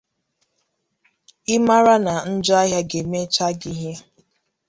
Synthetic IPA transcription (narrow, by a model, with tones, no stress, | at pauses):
ɪ˦ma˦ɾa˦na˨n̩˦d͡ʒʊ˦a˦ɦja˦ɡe˨me˦t͡ʃa˦ɡi˦ɦe˦